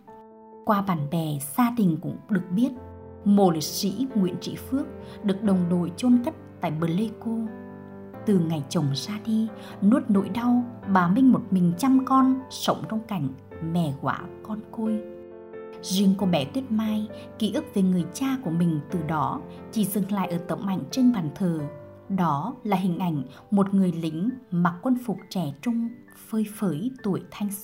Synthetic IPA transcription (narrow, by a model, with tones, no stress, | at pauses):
kwaː˨˧˩ɓaː˧˩nɓɛ˨˩z̥aː˧ɗï˨˩ŋ̟kʊ̰˧˥ŋ͡mɗɨ˨˩ək̚ɓi˦˥ət̚mo˧˨˩li˨˩k̚sḭ˧˥ŋwḭ˧˥ənt͡ɕḭ˧˥fɨ˦˥ək̚ɗɨ˨˩ək̚ɗə˨˩wŋ͡mɗo˧˨jt͡ɕo˧nt̪ə˦˥t̚t̪a̰ː˧˨jɓə˨˩lə˧ku˧ | t̪ɨ˨˩ŋa˨˩jt͡ɕə˨˩wŋ͡msaː˧ɗi˧ | no˦˥t̚no̰˧˥˦jɗa˧wɓaː˨˩mï˧ŋ̟mo˨˩t̚mï˨˩ŋ̟t͡ɕa˧mkɔ˧nsə˨˦wŋ͡mt͡ɕɔ˧wŋ͡mka˧˩jŋ̟ | mɛ˨˩ɣwa̰ː˧˦kɔ˧nko˧j | zḭ˧˩əŋku˧˩ɓɛ˧˩t̪wi˦˥ət̚maː˧j | ki˧˩ʔɨ˦˥k̚ve˨˩ŋɨ˨˩əjt͡ɕaː˧ku˧˩əmï˨˩ŋ̟t̪ɨ˨˩ɗɔ˨˦ | t͡ɕi˧˩zɨ˨˩ŋla̰ː˧˨jʔəː˧˩t̪ə̰˧˦wŋ͡mʔa̰˧˨jŋ̟t͡ɕə˧ŋɓaː˨˩nt̪ʰəː˨˩ | ɗɔ˨˦laː˨˩ɦï˨˩ŋ̟ʔa˧˩jŋ̟ | mo˨˩t̚ŋɨ˨˩əjlï˧˨˦ŋ̟maː˨˩kwə˧nfʊ˨˩k͡p̚t͡ɕɛ˧˩t͡ɕʊ˧ŋ͡m | fəː˧jfəː˨˦jt̪u˧˩əjt̪ʰa˧jŋ̟s